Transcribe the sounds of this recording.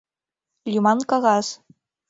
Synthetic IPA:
lʲumɑnkɑɣɑs

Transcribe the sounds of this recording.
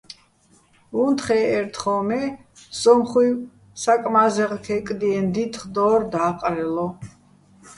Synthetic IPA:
unt̪χɛːɾt̪ʰχɔmɛ | sɔmχwi | sakʼmazɛʁkʰɛkʼd̪iɛnd̪it̪ʰχd̪ɔːɾd̪aːqʼɾɛlɔ

